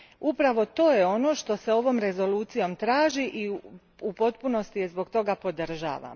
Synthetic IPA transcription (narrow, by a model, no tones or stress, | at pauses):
upɾaʋo̞t̪o̞ːjeo̞no̞ːʃt̪o̞se̞o̞ʋo̞ːmɾe̞zo̞luːt̪sijo̞mt̪ɾaːʒiʔi | upo̞t̪̚puno̞st̪ije̞zbo̞ɡt̪o̞ɡapo̞d̪r̩ʒa̰ːʋa̰m